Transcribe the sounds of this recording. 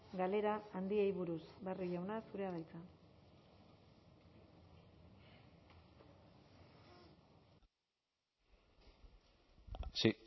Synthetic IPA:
ɡale̞ɾaːnd̪iejβuɾusbeariʎawnasuɾe̞aðajt͡sa

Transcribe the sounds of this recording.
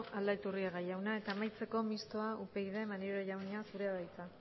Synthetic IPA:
ʔald̪aet̪uriaɣajawnae̞t̪aːmajt͡se̞ko̞mist̪o̞aʔupe̞ɣiðe̞maneɾoʝawneasuɾe̞aβajt͡sa

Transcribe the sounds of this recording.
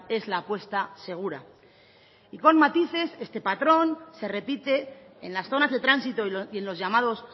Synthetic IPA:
e̞zlaːpwe̞st̪ase̞ɣ̞uɾa̰ | iko̞nmat̪iθe̞se̞st̪e̞pat̪ɾo̞nse̞re̞pit̪e̞ːnlasθo̞nazðe̞t̪ɾansit̪o̞ie̞nlo̞zʝamað̞o̞s

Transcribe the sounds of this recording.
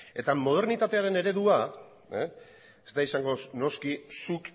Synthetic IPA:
e̞t̪amo̞ð̞e̞ɾnit̪at̪e̞aɾe̞ne̞ɾe̞ðua | zd̪aisaŋɡo̞no̞skisuk

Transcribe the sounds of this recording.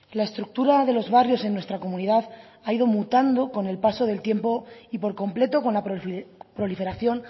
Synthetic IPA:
lae̞st̪ɾuk̚t̪uɾaðe̞lo̞zβarjo̞se̞nːwe̞st̪ɾako̞muniðað | aiðo̞mut̪and̪o̞ko̞ne̞lpaso̞ð̞e̞lt̪je̞mpo̞ipo̞ɾko̞mple̞t̪o̞ko̞nlappɾolife̞ɾaθjo̞n

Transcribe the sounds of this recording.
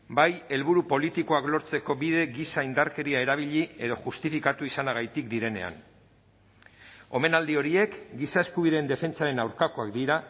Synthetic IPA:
baje̞lβuɾupo̞lit̪iko̞aklo̞ɾt͡se̞ko̞βiðe̞ɣisaind̪aɾke̞ɾiae̞ɾaβ̞iʎie̞ð̞o̞ʝust̪ifikat̪uisanaɣajt̪ikd̪iɾe̞ne̞̰a̰n | o̞̰me̞nald̪io̞ɾie̞kɡisae̞skuβiðeːnd̪e̞fe̞nt͡saɾe̞nawɾkako̞akd̪iɾa

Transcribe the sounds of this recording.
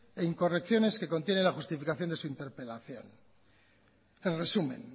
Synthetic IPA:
eiŋko̞rekθjo̞ne̞ske̞ko̞nt̪je̞nelaxust̪ifikaθjo̞nd̪e̞suint̪e̞ɾpe̞laθjo̞̰n | elresumẽ̞̰n

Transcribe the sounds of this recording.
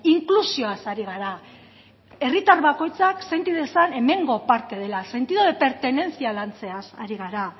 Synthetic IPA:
iŋklusio̞asaɾiɣ̞aɾa | e̞rit̪aɾβako̞jt͡sakse̞nt̪iðesane̞me̞ŋɡo̞paɾt̪e̞ð̞e̞lase̞nt̪iðoðe̞pe̞ɾt̪e̞ne̞nsialant͡se̞asa̰ɾiɣ̞aɾa

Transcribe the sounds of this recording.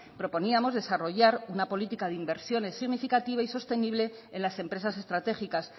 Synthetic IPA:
pɾo̞po̞niamo̞zðe̞saro̞ʝaɾunapo̞lit̪ikaðeimbe̞ɾsjo̞ne̞sːiɣnifikat̪iβaiso̞st̪e̞niβle̞ | enlase̞mpɾesase̞st̪ɾat̪e̞xikas

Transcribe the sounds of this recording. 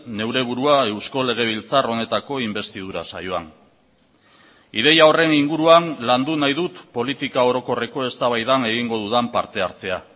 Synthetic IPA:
ne̞wɾe̞β̞uɾuae̞wsko̞le̞ɣ̞e̞β̞ilt͡saro̞ne̞t̪ako̞imbe̞st̪ið̞uɾa̰sa̰jo̞a̰n | ið̞e̞jao̞re̞niŋɡuɾuanland̪unajðut̪po̞lit̪ikao̞ɾo̞ko̞re̞ko̞e̞st̪aβajðane̞ɣ̞iŋɡo̞ðuðampaɾt̪e̞aɾt͡se̞a

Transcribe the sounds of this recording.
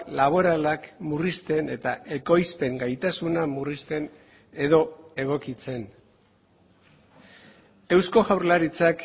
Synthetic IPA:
laβ̞o̞ɾalakmurist̪e̞ne̞t̪aʔe̞ko̞jspe̞ŋɡajt̪asunamurist̪e̞n | e̞ðo̞e̞ɣ̞o̞kit͡se̞n | e̞wsko̞ɣawɾlaɾit͡sak

